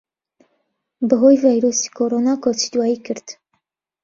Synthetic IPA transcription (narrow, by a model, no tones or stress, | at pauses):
bəɦojvajɾosi̥kʰoɾonaːkot͡ʃi̥d̪waːjikʰɨɾd̪̥